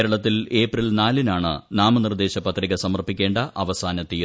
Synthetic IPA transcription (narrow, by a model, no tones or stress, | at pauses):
ɾɐɭɐt̪ːile̞ːprilnaːlinaːɳɨ̰naːmɐnird̪e̞ːɕɐpɐt̪riɣɐsɐmɐrpːikʲːe̞ːɳɖɐʔɐʋɐsaːnɐt̪iː